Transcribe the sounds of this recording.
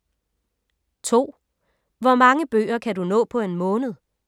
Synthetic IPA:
t͡sʰo̝̰ː | ʋɒmɑ̈ŋəb̥ø̰ːɐkʰædunɔ̰̽ːpʰɒ̽e̝nmɔ̽ːnð̞̩ˠ

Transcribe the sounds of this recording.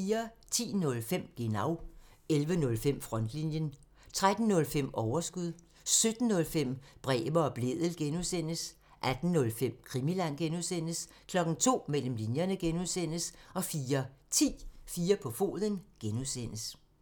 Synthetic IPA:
fiːɐt͡sʰḭːnɔ̽lfem̰ɡ̥enɑ̈ʊ̰ | elʋənɔ̽lfem̰fʁɒ̽nd̥linjən | t͡sʰʁad̥n̩nɔ̽lfem̰ɒʊɐsɡ̥uðˠ | sød̥n̩ːɔ̽lfem̰b̥ʁɛ̰ːʋɐɒ̽b̥le̝ð̰ˠl̩ɡ̥enusen̰əs | ʔæd̥n̩ːɔ̽lfem̰kʰʁimilæn̰ɡ̥enuðˠsen̰əs | kʰlɒ̽ɡ̥n̩t͡sʰo̝̰ːmel̰m̩linjɐnəɡ̥enuðˠsen̰əsɒ̽fiːɐt͡sʰḭːfiːɐpʰɒ̽fo̝̰ːðˠənɡ̥enuð̰ˠsen̰əs

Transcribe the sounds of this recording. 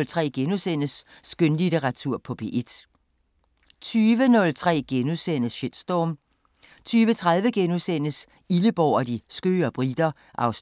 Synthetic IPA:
lt͡sʰʁɛ̰ːɡ̥enusen̰əsː | ɡ̥ønlideʁɑ̈t͡sʰuɐ̰pʰɒ̽b̥e̝̰ʔed̥ | t͡sʰyːʋənɔ̽lt͡sʰʁɛ̰ːɡ̥enuðˠsen̰əsɕe̝d̥sd̥ɒ̰ːm | t͡sʰyːʋət͡sʰʁað̞ˠʋəɡ̥enusen̰əs | iləb̥ɒʊɒ̽d̥isɡ̥ø̰ːɒb̥ʁid̥ɐ | ʔɑ̈ʊs

